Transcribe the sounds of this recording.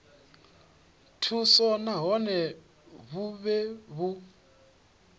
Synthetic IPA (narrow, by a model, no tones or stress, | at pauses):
tʰusɔnaɦɔnɛ | βuβɛβu